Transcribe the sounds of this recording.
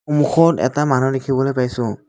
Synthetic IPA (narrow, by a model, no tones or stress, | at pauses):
xumuxɔtɛ̰tamanudekʰibɔlojpajsʊ̃